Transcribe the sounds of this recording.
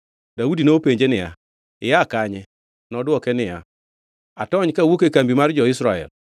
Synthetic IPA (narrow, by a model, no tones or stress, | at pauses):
dawudinopeɲd͡ʒenɪja̰ | ɪ̰jakaɲɛ | nɔdʊɔkenɪja̰ | a̰tɔɲkawokekambimaɾid͡ʒɔisɾaɛ̰l